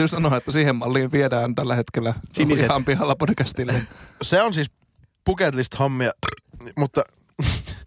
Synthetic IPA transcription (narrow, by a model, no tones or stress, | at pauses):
ysɑnoɑet̪ːæsiːhemmɑlːiːʋʋiedæːnt̪ælːæhet̪kelːæsihɑmpihɑlːɑpod̥kæst̪ilːæseonsiːs | puket̪list̪hɑmːiɑmut̪ːɑ